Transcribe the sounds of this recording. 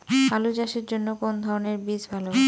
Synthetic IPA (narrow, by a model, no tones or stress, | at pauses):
ɦalud͡ʑaʃeɾd͡ʑonːokond̪ʱaɾoneɾbid͡ʑbʱalo